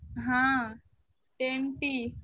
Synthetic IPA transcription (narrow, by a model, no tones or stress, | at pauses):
ɦã | ʈenʈi